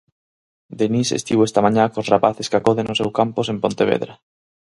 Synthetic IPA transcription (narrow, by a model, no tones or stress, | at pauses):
d̪enisḛst̪iβoest̪amãɲakosrapaθeskakoðenosewkamposempont̪eβ̞ḛðɾa